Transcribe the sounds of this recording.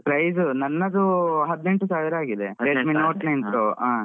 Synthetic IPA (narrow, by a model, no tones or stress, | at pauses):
pɾɐjsunɐnːɐd̪uɦɐd̪ːne̞ɳʈusaːʋiɾaːɡid̪eeminoːʈnɐjɳʈ̪ɾoa